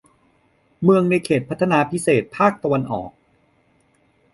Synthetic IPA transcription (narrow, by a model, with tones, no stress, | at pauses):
mɯ˧əŋna˧jkʰeː˨˩t̪̚pʰa˦˥t̪ʰːa˧naː˧pʰi˦˥seː˨˩t̪̚pʰaː˥˩k̚t̪a˧wa˧nʔɔ̰ː˨˩k̚